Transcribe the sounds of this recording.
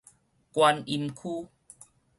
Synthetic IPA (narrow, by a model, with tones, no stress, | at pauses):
kwa˧ni˧mkʰuː˦